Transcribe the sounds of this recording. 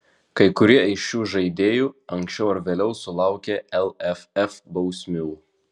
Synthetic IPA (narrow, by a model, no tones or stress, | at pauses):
kɐɪkʊɾʲiɛɪʃʲuːʒɐɪd̪ʲeːjuːɐŋʲkʲsʲt͡ʃʲɛʊɐɾʋʲeːlʲɛʊsʊlˠɑˑʊkʲeːɛlˠɛfɛfbɒʊsʲmʲuː